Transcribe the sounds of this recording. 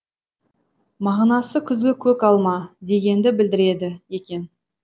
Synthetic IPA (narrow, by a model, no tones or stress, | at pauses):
mɑʁnɑsəkʲʰʏzɡʲe̞kʲʰɵkɑlˠmɑd̪e̞ɡʲe̞nd̪ɪbɪld̪ɪɾe̞d̪ɪje̞kʲe̞n